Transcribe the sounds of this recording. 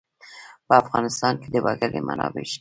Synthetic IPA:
pəafɣɑnɪst̪ɑnked̪əbaɡaɾema̰nɑ̰beʃi̥

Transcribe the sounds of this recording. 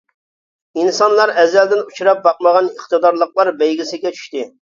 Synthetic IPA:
insɑnlˠɑɾɛzːɛld̪ɪnut͡ʃʰuɾɑp̚bɑq̚məʁɑnəχt̪ɨd̪ɑɾlˠəqlˠɑɾbɛjɡʲisɪɡʲɛt͡ʃʰy̥ʃt̪ɪ

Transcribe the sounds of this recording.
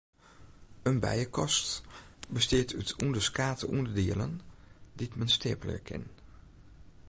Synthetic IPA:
ənbɛ̰jəkɔstbəstɪːtytundəskaːtəʔundəɹdiələ̰nditmənsteːpələ̰ɹkʰɪ̰n

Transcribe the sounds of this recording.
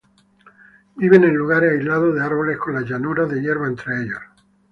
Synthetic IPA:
biβe̞nẽnluɣ̞aɾajzlaðoðeaɾβo̞le̞sko̞nlaʝanuɾaðe̞jeɾβaent̪ɾeeʎos

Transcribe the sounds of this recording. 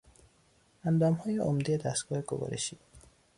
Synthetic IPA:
and̪ɔːmhɔːjeʔomd̪ied̪ast̪ɡɔːheɡobɔ̰ɾḛʃi

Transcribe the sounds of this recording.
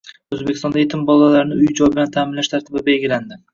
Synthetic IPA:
ɵzbekʲɪ̥st̪ɒnaet̪ʰɪmbɒlˠalaɾnɪʊjd͡ʒɒjbɪlant̪ʰaːmɪnlaʃt̪ʰaɾt̪ʰɪbɪbe̞lɡʲɪland̪ɪ

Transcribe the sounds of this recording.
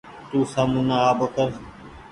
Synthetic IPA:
t̪uːsaːmuːnaaːbəkəɾ

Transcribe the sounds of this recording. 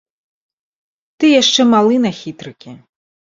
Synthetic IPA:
t̪ɨjaʂt͡ʂɛmalˠɨnɐxʲit̪ɾɨkʲi

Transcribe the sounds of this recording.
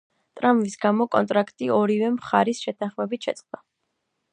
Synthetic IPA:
t̪ʼɾamvisɡamɔkʼɔnt̪ʼɾakʰt̪ʼiɔɾivɛmχaɾisʃɛt̪ʰaχmɛbit̪ʃɛt̪sʼqʼd̪̥a

